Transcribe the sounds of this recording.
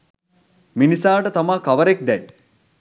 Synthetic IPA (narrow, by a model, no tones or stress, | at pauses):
minisaːʈət̪amaːkaʋəɾek̚d̪ɛj